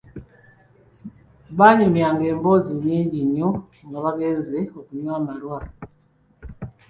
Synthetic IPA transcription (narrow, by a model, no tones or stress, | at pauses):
βaɲomjaːŋɡe̞ːmbo̞ziɲiːɲɟiɲo | ŋɡaβaβeːnzeokuɲwaːmalwa